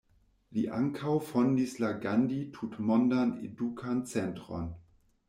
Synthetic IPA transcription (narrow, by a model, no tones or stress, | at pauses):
liʔa̰ŋkʰawfondislaɡanditʰutmondanḛdukʰant͡sɛntʁo̰n